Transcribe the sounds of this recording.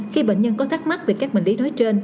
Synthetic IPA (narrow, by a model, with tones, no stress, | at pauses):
xi˧ɓḛ˧˨ŋ̟ɲə˧nkɔ˨˦t̪a˦˥k̚ma˦˥t̚ve˨˩kaː˦˥k̚ɓï˧˩ŋ̟li˨˦nɔ˨˦jt͡ɕe˧n